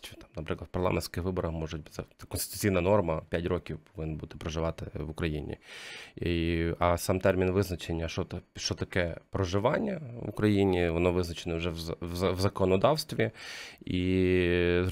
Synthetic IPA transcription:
t͡ʃt̪ɑmnɐpɾɪklˠd̪̥pɐrlˠa̰menʲsʲkɪxʋɪbɔɾɐxmɔʒʊtʲbt̪sɛt̪sɛkɔnst̪ɪ̥t̪ʊ̥t͡sʲijnɐnɔrmɐpʲjatʲrɔkʲiwpɔʋɪnbut̪ɪ̥pɾɔʒɪʋɑt̪ɪʋʊkɾɐjḭnʲḭiɐsɑmt̪ɛrmʲinʋɪznɐt͡ʃenʲːɐʃɔt̪ɐʃt͡ʃɔt̪ɐkɛpɾɔʒɪʋɑnʲːɐʋʊ̰kɾɐjinʲiʋɔnɔʋɪznɐt͡ʃenɛwʐɛwzzɐʋzɐkɔnɔd̪ɑwst̪ʋʲii

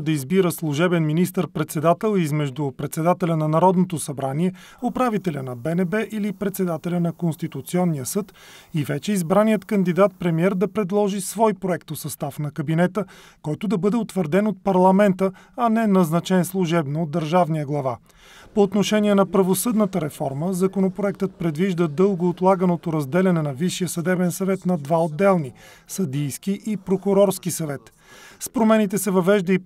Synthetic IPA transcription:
d̪ɐizbiɾəslˠʊʒɛbɛnminist̪əɾpɾɛt̪sɛd̪at̪ɛlˠizmɛʒd̪upɾɛt̪sɛd̪at̪ɛlʲənɐnɐɾɔd̪not̪osɐbɾaniɛ | opɾavit̪ɛlʲənɐbɛnɛbɛʔilipɾɛt̪sɛd̪at̪ɛlʲənɐkonst̪it̪ut̪siɔnːijəsɤt̪ | ivɛt͡ʃɛizbɾanijət̪kənd̪id̪at̪̚pɾɛmiɛɾd̪ɐpɾɛd̪lˠɔʒisvɔjpɾoɛkt̪osɐst̪afnɐkɐbinɛt̪ə | kɔjt̪ʊd̪ɐbɤd̪ɛot̪vəɾd̪ɛnot̪̚pɐɾlˠɐmɛnt̪əɐnɛnɐznɐt͡ʃɛnslˠuʒɛbnoːd̪ːəɾʒavnijəɡlˠɐva̰ | poːt̪noʃɛniɛnɐpɾɐvosɤd̪nət̪əɾɛfɔɾməzɐkonopɾoɛk̚t̪ət̪̚pɾɛd̪viʒd̪əd̪ɤlˠɡoːt̪lˠaɡənot̪oɾɐzd̪ɛlʲɐnɛnɐviʃːijəsɐd̪ɛbɛnsɐvɛt̪nɐd̪vaod̪ːɛlˠni | sɐd̪ijskiʔipɾokʊɾɔɾskisɐvɛt̪ | spɾomɛnit̪ɛsɛvɐvɛʒd̪əi

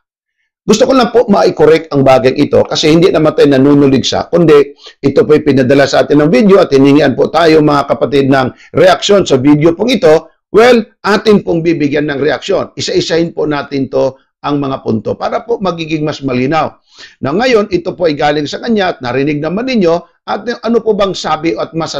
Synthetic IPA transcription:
ɡʊst̪okolɐpoʔmɐʔɪkoɾɛk̚t̪̚ɐŋbaːɡɐŋʔɪt̪o̞̰kɐsɛhɪnd̪inɐmɐt̪ajnɐnuːnʊlɪɡsa̰kʊnd̪ɛʔɪt̪opoɐjpɪnɐd̪ɐlasɐʔaːt̪ɪnːɐŋvid̪jo̞ʔɐt̪̚hɪnɪŋiʔɐnpot̪aːjoŋmɐŋakɐpɐt̪ɪd̪̚nɐŋ | ɾɛʔɐkʃo̞nsɐvid̪jopoŋɪt̪o̞ | wɛlʔaːt̪ɪnpoŋbiːbɪɡjanːɐŋɾɛʔɐkʃo̞nʔɪsaʔɪsahɪnponaːt̪ɪnt̪o̞ | ʔɐŋmɐŋapʊ̰nt̪o̞paːɾɐpomɐɡiːɡɪŋmɐsmɐliːnaw | nɐŋɐjo̞nʔɪt̪o̞poʔɐjɡaːlɪŋsɐkɐɲjaʔɐt̪̚nɐɾɪnɪɡ̚nɐmanːɪɲjo̞ | ʔɐt̪̚ʔɐnopobɐŋsaːbɪʔɐt̪̚mɐs

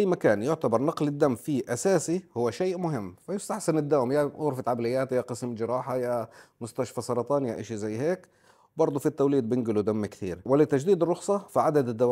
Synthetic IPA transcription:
ʔajːmakaːnjʊʕt̪abɑɾˤnɑqlɪd̪ːamːfiʔasaːsihʊwːaʃeːʔmʊɦɪmːfajɪst̪aħsanɪd̪ːawmjaʊɣɾfɪt̪ʕablɪjːaːt̪jaqɨsmd͡ʒɪɾɑːħajamʊst̪aʃfasˤɑɾˤɑt̪ˤɑːnja̰ʔɪʃizajːheːk | bɑɾˤd̪ˤufit̪ːawliːd̪̚bɪnɡɪlud̪amːkt̪ḭːɾwɪlːɪt̪ad͡ʒd̪iːd̪ɪrˤːʊxsˤɑfiʕad̪ad̪ɪd̪ːawa

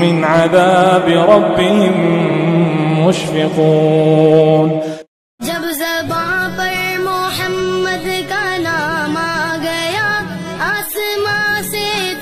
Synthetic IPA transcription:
mɪnʕaðaːbɪɾˤɑbːɪɦɪm | ʊʃfɪquː | n | d͡ʒɐbzɐbaːpɐɾmʊħɐmːɐd̪kanaːmaːɡɐjaːaːsɪmaːse

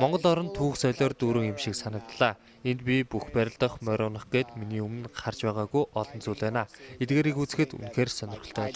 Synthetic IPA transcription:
mɔɴɢɞ̆ɮɔɾɞ̆nt̪ʰuːxsœɮɔːrt̪uːɾɘ̆ŋemʃĭksanə̆k̚t̪ɮaː | ent̪̚pʲipuxpæɾʲɪ̆ɮt̪ə̆χmœɾʲʊːnə̆χɡeːt̪miniːumɘ̆nχart͡ɕpæːʁaːɣujɔɮɞ̆nt͡suːɮæːnaːet̪̚ɡeːɾikut͡sɘ̆xɘ̆t̪ṵnxeːrsœnʲɪ̆rɣxɵ̆ɬt̪ʰœːɮ

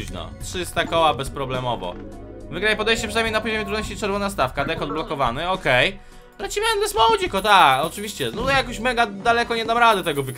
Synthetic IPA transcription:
nɔ̰tʂɘst̪akɔwabɛspɾɔblɛmɔvɔ̰ | vɘɡɾajɛpɔd̪ɛjɕt͡ɕɛpʂɨnajmʲejnapɔʑɔmʲjɛt̪ɾud̪ɔɕt͡ɕit͡ʂɛɾvɔnast̪afkad̪ɛkɔd̪̚blɔkɔvanɛɔkɛj | lat͡ɕimaɛmd̪ɛsmɔwɔd͡ʑikɔt̪akɔt͡ʂɨvʲiɕt͡ɕɛnɔt̪jakɔ̃ɕmɛɡad̪alɛkɔɲɛnamɾad̪ɛt̪ɛɡɔvɘɡ

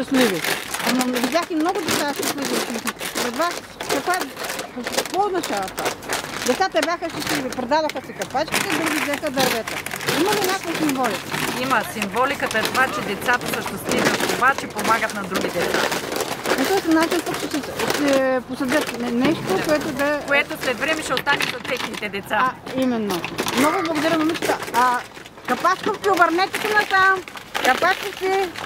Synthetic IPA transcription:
ʃɐslivinovid̪ʲaximnoɡʊd̪ɛt̪saʃt̪it̪lid̪ɐlt̪t̪iɾɛd̪vas | kɐkvaɛpokɐkvood̪nɐt͡ʃavɐt̪a̰d̪ɛt̪sat̪əɛbʲjaxəʃt̪ɐslivipɾɛd̪avɐxɐsɛkɐpat͡ʃkʲit̪ɛd̪ɾuɡʲid̪ɛxəd̪ɐɾvɛt̪əimɐlinʲakojəsimvɔlikiməsimvɔlikət̪əɛt̪ovat͡ʃɛd̪ɛt̪sat̪ɐsəʃt̪ɛst̪viniot̪t̪ːovat͡ʃɛpomaɡət̪nɐd̪ɾuɡʲid̪ɛt̪sa̰nɛt̪ɔɛsnat͡ʃint̪okʃɛsəssɛposɐd̪jət̪nɛnɛʃt̪okoɛt̪ʊd̪ɐkoɛt̪osɾɛd̪vɾɛmɛʃɛot̪ːanit̪ɐt̪ɛxnit̪ɛd̪ɛt̪saimɛnːomnɔɡʊblˠɐɡʊd̪ɐɾənɐmit͡ʃt̪əa | kɐpat͡ʃkofkʲiobɐɾnɛt̪ɛt̪ɛnɐt̪amkɐpat͡ʃkisɛ

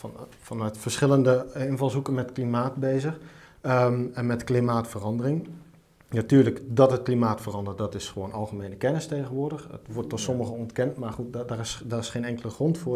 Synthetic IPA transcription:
n | fɑnœɥtfərsχɪləndəɪnvɑlˠsukənmɛtklimaːtbeːzəχ | ɛnmɛtklimaːtfərɑndərɪŋ | natyːɹləkdɔtət̚klimaːtfərɑndərtdɔtɪsχəʋoːnɑlˠχəmeːnəkɛnɪstejɣənʋʊːrdəχə̰tʋɔɹtːɔtsɔməɣənɔntkɛntmaːrχut̚darɪsdaːrɪsχeːnɛŋkələχrɔntfʊ

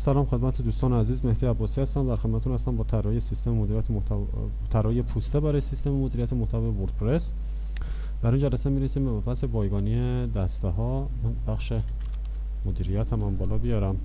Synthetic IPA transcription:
sælɒːmxe̞d̪mæt̪ʰed̪uːst̪ɒːneæziːzmehd̪ijæbːɒːsiːhæst̪æmd̪æɾxed̪mæt̪et̪unhæst̪æmbɒːt̪ʰæɾɒjesist̪ememod̪iːɾijæt̪ʰeo | t̪ʰæɾɒːjepʰuːst̪ebæɾɒːjesist̪ememod̪iːɾijæt̪emoht̪ʰævjevoɾd̪̥̚pʰɾes | d̪̥æɾund͡ʒælæsemiːɾesiːmbeæpʰæse̞bɒːjɡɒːnie | d̪æst̪eɦɒː | bæxʃe | mod̪iːɾijæt̪ʰæmæmbɒːlɒːbijɒːɾæm

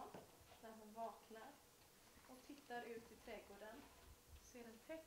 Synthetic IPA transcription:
næɾɦʊnvɑːknaɾ | ɔkt̪ʰɪt̪ːaɾʉ̟ːt̪ʰɪt̪ʰɾɛːɡoːɖənseːɾɛnt̪ʰɛ

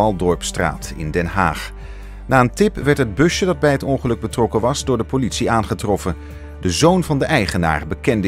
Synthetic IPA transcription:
ɑlˠdɔɹpstra̰ːtɪ̰ndɛnɦa̰ːχ | naːəntɪpʋɛɹtɦəd̚bɵʃədɑd̚bɛjɦətɔnχəlɵɡ̚bətrɔkənʋɑzdʊːɹdəpolitsiaːnχətrɔfən | dəzownvɑndəʔɛjχəna̰ːɹbəkɛndə

